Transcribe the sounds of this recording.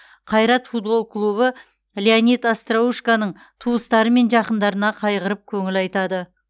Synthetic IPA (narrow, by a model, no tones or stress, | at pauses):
qʰɑjɾɑt̪fut̪̚bo̞lˠkʰlˠuβə | leanit̪ast̪rauʃkanəɴ | t̪ʰuəst̪ɑɾəme̞nʒɑqənd̪ɑɾənɑqʰɑjʁəɾəp̚kʲʰɵŋɪlɑjt̪ɑd̪ə